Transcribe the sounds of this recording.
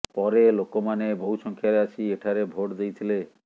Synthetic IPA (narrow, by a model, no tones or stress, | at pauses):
pɔɾelokomanebʱowʃɔŋkʰjaɾeat͡ʃʰieʈʰaɾebʱoʈd̪ejt̪ʰile